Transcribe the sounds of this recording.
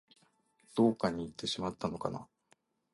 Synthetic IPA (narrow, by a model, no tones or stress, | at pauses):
d̪̥o̞ːkaɲ̟iːt̪ːe̞ɕimat̪ːano̞ka̰na̰